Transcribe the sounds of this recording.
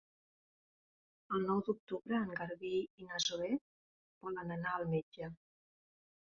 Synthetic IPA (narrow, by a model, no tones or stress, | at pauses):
əlˠnɔwd̪uk̚t̪uβɾəːŋɡaɾβiinazoɛ | b̥ɔlənənaəlˠmed͡ʒə